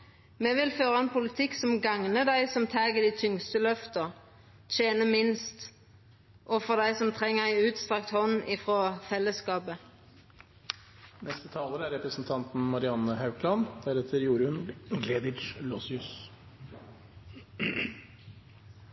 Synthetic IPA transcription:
meːʋɪlføːʁəɛnpʰʊlɪt̪ʰɪksɔmɡɑŋnəd̪æɪsɔmt̪ʰæːɡəd̪iːt̪ʰʏŋst̪əlœft̪əʁ | t̪ʰeːnəmɪnst̪ | ʔɔfɔʁd̪æɪsɔmt̪ʰʁɛŋːəʁæɪʉːt̪st̪ʁɑk̚t̪hɔnɪfʁɔːfɛlːəskɑːpə | nɛst̪ət̪ʰɑːləɾəæɾɛpɾəsn̩t̪ʰɑnt̪n̩mɑɾɪɑnːəhɑʉkʰlɑnd̪̥æɾɛt̪ʰəɾjuːɾʉnɡled̪ɪd͡ʒlɔsɪʉs

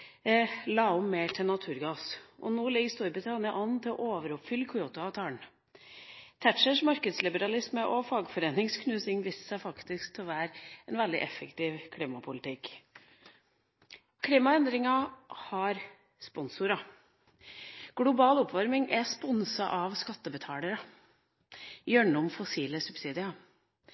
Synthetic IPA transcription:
lɑːʊmːeːʈʰɪnɑt̪ʰʉːɾɡɑːsʔɔ̰noːlɪɡəst̪ɔːɾbɪt̪ʰɑnɪəʔɑnːt̪ʰɪlɔ̰ʔoːʋəɾɔpfʏlkʰʊoːt̪ʊɑʋt̪ʰɑːɳ | t̪ʰæʈʂəʂmɑɾkəd̪slɪbəɾɑlɪsməʔɔfɑːɡfɔɾeːnɪŋskʰnʉːsɪŋʋiːsə̥sæɪfɑkt̪ɪskt̪ʰɪlɔʋæːɾɛnʋɛld̪ɪ̰ʔɛfːəkt̪iːʋkʰliːmɑpʰʊlɪt̪ʰɪk | kʰliːmɑɛnd̪ɾɪŋɑhɑɾ | spɔnsʊɾɑ | ɡ̥lʊbɑːlɔpʋɑɾmɪŋʔɛspɔnsɑʔɑʋskɑt̪ːəbət̪ʰɑːləɾə | jœɳʊmfɔsiːləsʉbsiːd̪ɪɑ

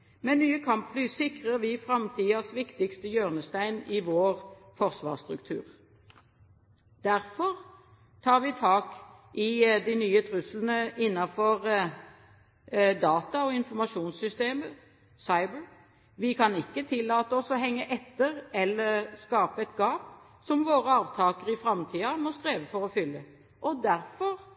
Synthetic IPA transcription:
mɛnnyːəkʰɑmpflyːsɪkʁəʁʋɪfɾɑmt̪ʰiːɑsʋɪkt̪ɪkst̪əjøːʁnəst̪æɪnɪʋoːʁfɔʁsʋɑ̰ːʁst̪ʁʉkt̪ʰʉ̰ːʁ | d̪̥æʁfɔʁ | t̪ʰɑːʁʋɪt̪ʰɑːk | ʔɪd̪æɪnyːət̪ʰʁʉslənəʔɪnːɑfɔʁ | d̪ɑːt̪ɑɔɪnfɔmɑʃuːnsʏst̪eːmə | sɑɪbəɹ | ʋɪkʰɑnɪkːət̪ʰɪlːɑːt̪əɔsɔɦɛŋːəʔɛt̪ːəʁɛlːəʁskɑːpəɛt̪ɡɑːp | sɔmʋoːʁəɑːʋt̪ʰɑːkəʁɪfʁɑmt̪ʰiːɑmɔst̪ʁeːʋəfɔʁɔfʏlːə | ʔɔd̪æʁfɔʁ

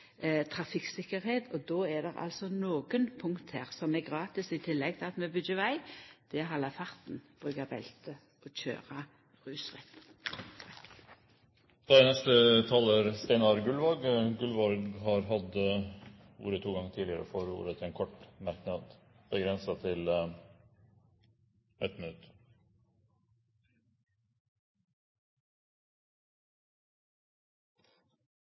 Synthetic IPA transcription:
t̪ʰʁɑfɪksɪkːəɾheːt̪ɔd̪oːɛd̪ɛʁɑ̰lsɔnoːɡənpʰʊŋkt̪heːʁsɔmɛɡʁɑːt̪ɪsɪt̪ʰɪlːɛɡ̚t̪ʰɪlɑt̪mɛbʏdəʋæɪd̪̥ɛæhɑlːɑfɑʁt̪n̩b̥ʁʉːɡɑbɛ̰lt̪ə | ɔc͡çø̰ːʁɑ | ʁʉːsʁɛ̰t̪ | t̪ʰɑk | d̪ɑd̪ɛnɛst̪ət̪ʰɑːlːəɾst̪æɪnɑɾɡʉlʋɑɡɡʉlʋɑɡhɑːɾɦɑd̪ | ṵːɾət̪ʰuːɡɑŋət̪ʰiːlɪəɾə̰foːɾṵːɾət̪ʰɪeːnkʰɔʈmæɾknɑd̪ | b̥əɡɾɛnsɑt̪ʰɪl | ɛt̪mɪnʉt̪

